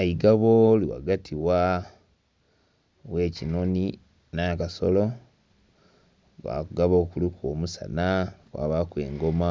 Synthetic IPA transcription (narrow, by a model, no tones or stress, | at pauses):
aiɡaβoliwa̰ɡatʰiwa | we̞ːcinoni | nakaso̰lo | wa̰kuɡaβo̞ːkulikwoːmusa̰nakwa̰βakweːŋɡoma